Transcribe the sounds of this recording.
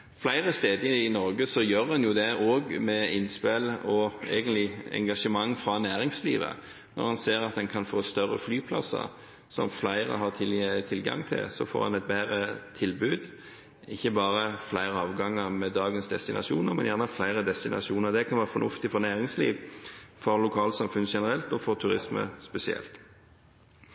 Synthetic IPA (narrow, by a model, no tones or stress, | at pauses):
flæɪɾəst̪eːd̪əɪnɔɾɡəsɔjøːɾɑnjʊd̪ɛoːɡmɛɪnːspelɔɛ̰ɡənlɪɛ̰ŋɡɑʂəmɑŋːfɾɑnæːɾɪŋslḭːʋə̰ | nɔ̰ɾhɑnseːɾɑt̪̚d̪ɛnkʰɑnfoːst̪œrːə̰flyːpʰlɑ̰sə̰ɾ | sɔ̰mflæɪɾə̰ɦɑt̪ʰɪlɡɑ̰ŋt̪ʰɪ̰lsɔ̰fo̰ːɾhɑ̰nɛɪt̪̚bæːɾət̪ʰɪlbʉːd̪ | ɪçːəbɑːʁəflæɪʁəɑːʋɡɑŋːəʁmɛd̪ɑːɡənsd̪ɛst̪ɪnɑ̰ʂuːnəɾmɛnjæʁnəflæɪʁəd̪ɛst̪ɪnɑ̰ʂuːnəʁd̪ɛkʰɑnʋæːʁfɔnʉft̪ɪfɔʁnæːʁɪŋslḭːʋfɔʁlʊkʰɑːlsɑmfʉnʃɛnəɾɛlt̪ɔfɔʁt̪ʰʉʁɪsmə̰spɛsɪɛ̰lt̪